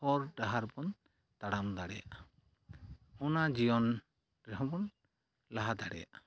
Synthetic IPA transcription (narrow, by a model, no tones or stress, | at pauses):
ɔɾɖaɦaɾbɔn | t̪aɽamd̪aɽɛja̰ʔ | ɔnad͡ʒijɔn | ɾɛɦɔ̃bɔn | laɦad̪aɽɛ̰ja̰ʔ